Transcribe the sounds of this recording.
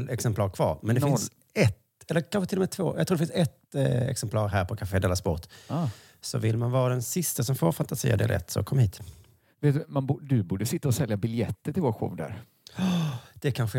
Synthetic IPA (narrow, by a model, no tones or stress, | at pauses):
lɛksɛmpʰlɑːɾkʰv̥ɑ̰ːɾmɛnd̪ɛfɪns | ɛt̪ | ɛlːəkʰanɧət̪ɪlɔmɛːt̪ʰvo̰ːjɑɡt̪ʰɾuːɖ̪ɛfɪnsɛt̪ɛ̰ksɛmpʰlɑːɾɦæːɾpʰɔkʰafeːd̪eːlaspɔt̪ː | sɔvɪlːmanvɑːɾad̪ɛnsɪst̪asɔmfoːɾfant̪asḭːa̰d̪ḛːlʔɛ̰t̪ːsɔ̰kʰɔmːhiːt̪ | veːt̪̚d̪ɵmanbd̪ɵbuːɖəsɪt̪ːaɔsɛljabɪljɛt̪ːəʈɪlvoːɧo̰ːvd̪æ̰ɾ | d̪̥ɛkʰanɧə